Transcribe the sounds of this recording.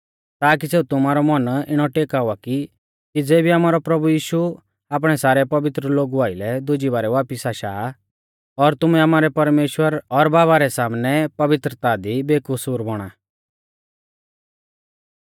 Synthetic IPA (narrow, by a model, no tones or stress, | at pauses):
t̪aːk̬iseːut̪ʊmaːɾɔmɐnɪɽ̃ɔʈeːkaːʊaki | kid͡zeːbiamaːɾɔpɾɐbujiːʃu | aːp̬ɽ̃ɛsaːɾɛpɐʋɪt̪ɾəloːɡuaːɪlɛd̪ʊd͡ʒibaːɾɛʋaːpɪsaːʃaː | ɔɾt̪ʊmɛamaːɾɛpɐɾmeːʃwəɾɔɾbaːβaɾɛsaːmnɛpɐʋɪt̪ɾət̪ad̪ibeːkʊsuɾbɔɽ̃aː